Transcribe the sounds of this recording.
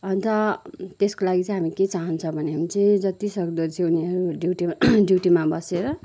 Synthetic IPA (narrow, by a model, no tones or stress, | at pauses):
ʌnt̪ʌt̪eskolaɡit͡sʌ̃ɦamiket͡saɦʌnt͡sʰʌbʱʌneɦamit͡sʌĩd͡zʌt̪isʌkd̪ʌt͡sʰĩuniɦʌɾuɖjuʈiɖjuʈimabʌseɾʌ